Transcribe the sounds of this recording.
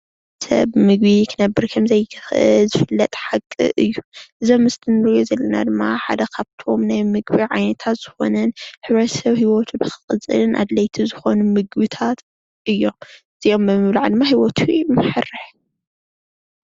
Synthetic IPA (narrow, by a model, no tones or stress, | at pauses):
sɐ̰βmɨɡbikʰɨnɐbːɨɾkʰɐmzɐjʰxʔɨ̰zɨfɨlːɐt̪ʼħakʼːɨ̰ʔɨjːuʔɨzo̞mːɨst̪ʰɨnɨɾɨjozɐlːɐnad̪ɨmːaħad̪ɐkʰaβt̪ʰo̞mnajmɨɡbiʕajnɐt̪ʰat̪z̥ɨxo̞̰nɐnħɨβɾɐt̪ʰɐsɐβhiwot̪ʰubɨxɨ̥kʼɨt͡sʼɨ̰lɨnʔa̰d̪lɐjt̪ʰizɨxo̞numɨɡbɨt̪ʰat̪ | ʔɨjːo̞mɨz̥iʔo̞mbɨmɨβlaʕd̪ɨmːaɦiwot̪ʰumɨħɨrːɨħ